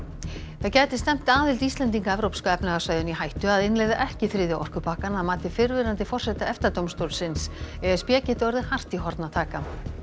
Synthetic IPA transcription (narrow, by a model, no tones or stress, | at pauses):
θaðcaːjt̪ɪst̪ɛm̥t̪aːðɪlt̪ist̪lɛnt̪̬iŋkaɛvɾowpskʏɛpnaɣasvajðʏnihajht̪ʏaðɪnlejðaʔɛhcɪθɾɪːðɪawʔɔ̰r̥kʏpaːhkanaðmaːt̪ɪfɪɾvɪɾant̪ɪfɔr̥sɛt̪aɛft̪at̪owmst̪owlsɪnsɛðɪspjɛːcɪt̪œɾðɪhar̥t̪iɦɔɾt̪nat̪ʰaːka